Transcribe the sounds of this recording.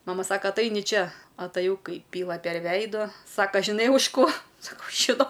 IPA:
ˈmɑːmɐ ˈsɑːkɐ ɐtˈɐɪnʲɪ ˈt͡ʃʲɛ ɐtɐˈjɛʊ ˈkɐɪ ˈpʲiːlˠɐ pʲɛr ˈʋʲɛɪdoː ˈsɑːkɐ ʒʲɪˈnɐɪ ʊʃ ˈkoː sɐˈkɐʊ ʒʲɪˈnɐʊ

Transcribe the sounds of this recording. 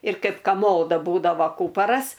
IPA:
ɪr ˈkɐɪp kɐˈmoːdɐ ˈbuːdɐʋɐ ˈkuːpɐrɐs

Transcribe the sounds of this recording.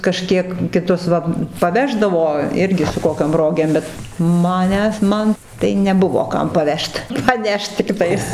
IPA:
kɐˈʃʲkʲiɛk kʲɪˈtʊs ʋɐ pɐˈʋʲæːʒdɐʋoː ˈɪrʲɡʲɪ sʊ ˈkoːkʲoːm ˈroːɡʲeːm ˈbʲɛt mɐˈnʲæːs ˈmɐn tɐɪ nʲɛˈbʊʋoː ˈkɐm pɐˈʋʲɛʃt pɐˈnʲɛʃt tʲɪkˈtɐɪs

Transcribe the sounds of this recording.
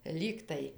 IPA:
ˈlʲiːktɐɪ

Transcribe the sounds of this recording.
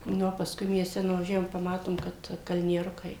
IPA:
ˈnʊ oː pɐsˈkʊɪ mʲiɛsʲˈtʲɛ nʊʋɐˈʒʲæːʋoːm pɐˈmɑːtoːm kɐt kɐlʲnʲiɛˈrʊkɐɪ

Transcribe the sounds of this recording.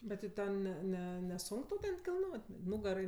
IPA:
ˈbʲɛt tʲɪ ˈtʲɛn ˈnʲɛ ˈnʲɛ nʲɛˈsʊŋk tɐʊ ˈtʲɛn kʲɪlˠˈnoːtʲ ˈnʊɡɐrɐɪ

